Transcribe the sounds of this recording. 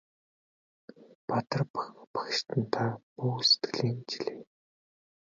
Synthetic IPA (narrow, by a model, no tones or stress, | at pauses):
pat̪ə̆rppḁxʃt̪ɘ̆nt̪ʰapuːse̥t̪ɡɘ̆ɮiːnt͡ɕiɮeː